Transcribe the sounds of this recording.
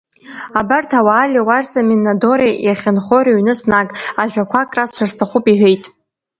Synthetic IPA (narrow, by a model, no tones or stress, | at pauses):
abartʰawaːlʲiwarsaminado̞ɾijaχʲanχoɾeɥnɨsnakʼaʒᶣakʷʰakʼrasʃʷʰarstʰaχupʼiħejtʼ